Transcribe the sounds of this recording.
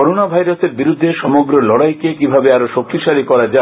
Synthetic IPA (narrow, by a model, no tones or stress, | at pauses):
ɔɾonabʱajɾoseɾbiɾud̪ʱːeʃɔmoɡɾolɔɽajkekibʱabeaɾoʃok̚t̪iʃaɾikɔɾad͡ʑa